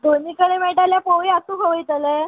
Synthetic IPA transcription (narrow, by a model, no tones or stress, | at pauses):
d̪oniːkəɽemɛɭʈaljapəwʋiat̪ũːkʰəʋəjt̪əle